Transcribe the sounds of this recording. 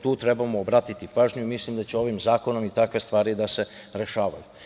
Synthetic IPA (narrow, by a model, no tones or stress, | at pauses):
t̪uːt̪ɾe̞bamoːbɾaːt̪it̪ipaːʒɲuimislimd̪at͡ɕeo̞ʋimzaːko̞no̞mit̪akʋe̞st̪ʋaːɾid̪ase̞ | ɾe̞ʃaːʋa̰ju